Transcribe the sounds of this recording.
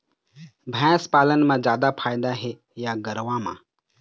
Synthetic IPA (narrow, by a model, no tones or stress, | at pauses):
bʱɛ̃ːspaːlənmãːd͡ʒjaːd̪apʰaːjd̪aɦe | jaɡəɾʋãːmã̰ː